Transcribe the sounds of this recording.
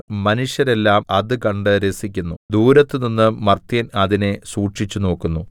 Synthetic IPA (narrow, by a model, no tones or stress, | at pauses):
mɐnuɕjɐɾe̞lːaːmɐðɨkɐɳɖɨɾesikʲːunːud̪uːɾɐt̪ːɨninːɨmɐrt̪jɐnɐðine̞suːʈʂit͡ɕːuno̞ːkːunːu